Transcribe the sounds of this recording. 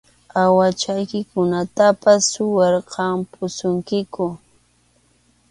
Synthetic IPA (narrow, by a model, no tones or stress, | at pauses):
awat͡ʃajkɪkʊnat̪apasːʊwɑɾqɑmpʊsʊŋkɪkʊ